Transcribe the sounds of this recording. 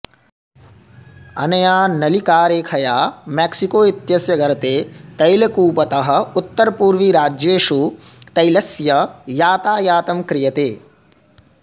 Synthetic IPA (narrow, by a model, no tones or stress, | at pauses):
ɐ̰nɐjaːnɐlikaːɾeːkʰɐjaːmeksikoːit̪jɐsjɐɡɐɾɐt̪eːt̪ɐjlɐkuːpɐt̪ɐɦɐ̆ut̪ːɐɾpuːɾʋiɾaːd͡ʒjeːʂut̪ɐjlɐsjɐjaːt̪aːjaːt̪ɐmkɾɪjɐt̪eː